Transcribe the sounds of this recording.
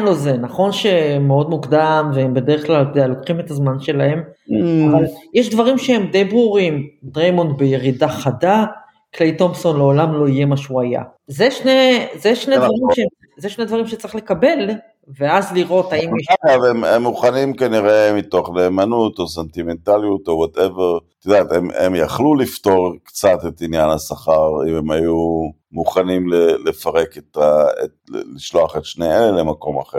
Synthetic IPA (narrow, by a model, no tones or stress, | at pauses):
nlo̞zenaχo̞nʃe̞mːeo̞dmukd̪amveembe̞deʁeχklalkodejalo̞kχime̞tazmanʃe̞lae̞mavaljɛʃdvaʁimʃeemd̪e̞jbʁuʁimdʁejmo̞ntbeje̞ʁidaχada | klejto̞mso̞nle̞olamlo̞ije̞maʃeuaja̰zeʃnezeʃnevaʁimʃe | zeʃned̪vaʁimʃe̥t͡saʁiχle̞kabe̞l | veazliʁo̞t̪aimjaɡavememːuχanimkaniʁemit̪o̞χneːmanutos̬ent̪imentalijut̪owat̪eveʁt̪id̪aːt̪emḛmjaχlulift̪o̞ʁkt͡sat̪et̪injanhasaχaʁimemaju | muχanimlelefaʁe̞ket̪aḛtliʃlo̞aχetʃneelemako̞ma̰χe